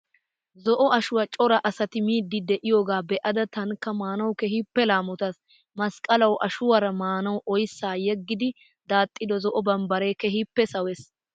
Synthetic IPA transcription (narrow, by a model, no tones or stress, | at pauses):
zɔʔɔɐʃʊwɐt͡ʃʼɔɾɐʔɐsɐt̪ɪmiːd̪ːɪd̪ɛʔɪjoːɡaːbɛʔɐd̪ɐt̪ɐŋkːɐmaːnɐwkɛɦɪpːɛlaːmɔt̪ɐs | mɐskʼɐlɐwʔɐʃʊwɐɾɐmaːnɐwʔɔjsːaːjɛɡːɪd̪ɪ | d̪̥aːt̪ʼːɪd̪ɔzɔʔɔbɐmbɐɾeːkɛhɪpːɛsɐwɛs